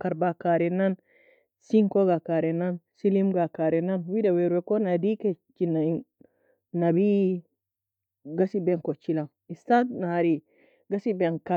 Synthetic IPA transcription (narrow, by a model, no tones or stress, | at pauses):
kaɾbakaɾɛnan | siŋkɔɡakaɾɛnansilimɡakaɾɛnanwidawɛɾwɛkɔnadikɛt͡ʃinain | nabi | ɡasibɛnkɔt͡ʃilam | istatnahaɾi | ɡasibɛnka